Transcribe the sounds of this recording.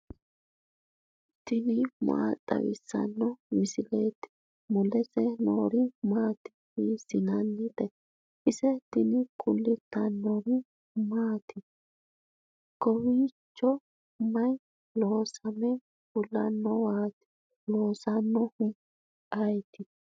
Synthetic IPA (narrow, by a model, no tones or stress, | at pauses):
t̪ːɪnɪma̰ːt̪ʼːɐ̰wɪ̰sːɐ̰nːɔmɪsɪleːt̪ːɪ̥ | mʊlɛsɛnoːɾɪmaːt̪ɪ̥hiːsɪnɐnːɪd̪ɛ | ʔɪsɛt̪ːɪnɪkʼʊlːɪt̪ːɐnːɔɾɪ | maːt̪ɪ | kɔwiːt͡ʃːɔ | mɐj | loːsɐmɛ | kʊlːɐnːɔwaːt̪ɪ̥ | lo̞ːsɐnːɔhʊ | ɐjt̪ɪ